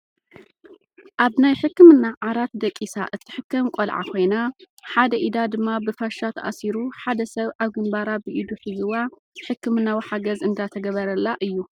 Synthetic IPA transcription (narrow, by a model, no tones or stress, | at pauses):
ʔaβnajħɨkːɨmɨnːaʕaɾat̪d̪ɐkʼːisa̰ʔɨt̪ʰːɨ̥ħɨkːɐmkʷʼolʕa̰kʰo̞jna | ħad̪ɐʔid̪ad̪ɨmːabɨfaʃːat̪ʰɐʔasiɾuħad̪ɐsɐβaβɡɨmbaɾabɨʔid̪uħɨzɨwa | ħɨkːɨmɨnːawiħaɡɐzɨnd̪at̪ʰɐɡɐβɐɾɐlːaʔɨjːu